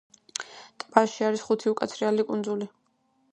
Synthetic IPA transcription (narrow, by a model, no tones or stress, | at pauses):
t̪ʼbaʃiaɾisχut̪ʰiukʼat̪sʰɾialikʼund̪zuli